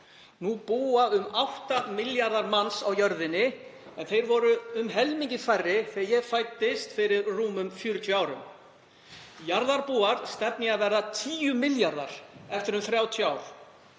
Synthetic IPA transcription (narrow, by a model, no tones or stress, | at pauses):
nupuːaʏmawht̪amɪljaɾðaɾmansawjœɾðɪnːɪ | ɛnθejɾvɔɾʏːmɦɛlmiɲcɪfajrːɪθɪjɛɣfaːjt̪ːɪst̪fɪɾɪɾruːmʏmfjʏɾʏt̪ʰjʏaːwɾʏ̰m | jaɾðaɾpuːaɾ̥st̪ɛp̚nɪɣavɛɾðat̪ʰiːjʏmɪljaɾða̰ɾ̥ɛft̪ɪɾʏmθɾjaːwt̪ʰjaːwɾ̥